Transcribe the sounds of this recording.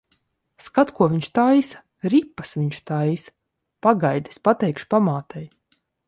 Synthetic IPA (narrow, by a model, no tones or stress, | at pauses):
skat̪kuɔvʲiɲʃt̪ajs | ɾipːasviɲʃt̪ajs | paɡajd̪i̥spat̪ɛjkʃpamaːt̪ʰɛj